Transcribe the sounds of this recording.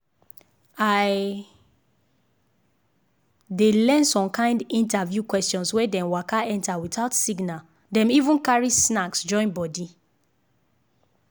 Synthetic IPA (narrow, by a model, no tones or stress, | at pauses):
aj | delɛ̃nsɔ̃mkʰãɪ̃ndĩntavjukwɛstjɔ̃nswɛdɛ̃mwakaɛ̃ntawitaʊtsiɡna | dɛ̃mivũnkaɹisnaksd͡ʒɔ̃ɪ̃nbɔdi